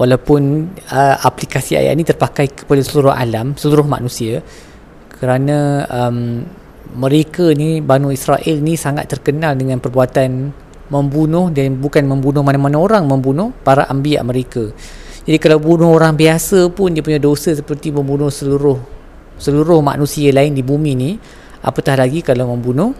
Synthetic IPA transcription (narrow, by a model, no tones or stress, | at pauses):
wʔalawpʊnəaplikasia̰ja̰ʔnĩt̪ərpakajkə̥padasəluɾʊɦa̰lamsəluɾʊhma̰nũsia | kəɾanãəmː | ə̃ɾekanibanuisɾaʔɛlnisaŋa̰t̪ːərkənaldəŋãnpərbuat̪an | mə̃mbunʊhdanbukanmə̃mbunʊhmanamanãoɾaŋmə̃mbunʊhpaɾaʔambia̰ʔməɾekad͡ʒadikalawbunʊhoɾaŋbiasəpʊndiəp̬uɲadosəsəpərt̪iməmbunʊhsəluɾʊh | səluɾʊhma̰ʔnũsialaɪndibumĩni | ʔa̰pət̪ahlaɡikalawməmbunʊh